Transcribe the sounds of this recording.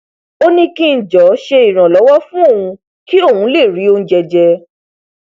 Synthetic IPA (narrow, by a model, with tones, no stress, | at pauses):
o˦nĩ˧ki˧n̩˨d͡ʒɔ˨˦ʃe˧i˨ɾ̃ã˨lɔ˨˦wɔ˦fũ˦o˦˨ũ˧ | ki˦o˦˨hũ˨˦le˦˨ɾi˨˦o˧ñ̩˦d͡ʒɛ˧d͡ʒɛ˧